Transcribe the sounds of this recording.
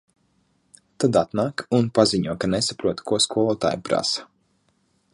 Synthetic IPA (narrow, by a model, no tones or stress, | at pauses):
t̪ad̪at̪naːkunpaziɲuɔkanesapɾuɔt̪kuɔskuɔlˠɔt̪a̰ːjpɾa̰sḁ